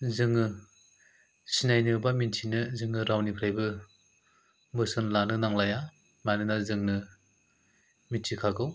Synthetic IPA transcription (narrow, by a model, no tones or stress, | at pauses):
zɯŋːɯ | sinajnɯbaminsʰinɯzɯŋɯɾawnipʰɾajbɯ | bɯsɯnlanɯnaŋlaja | manɯnazɯŋnɯ | minsʰikʰaɡɯw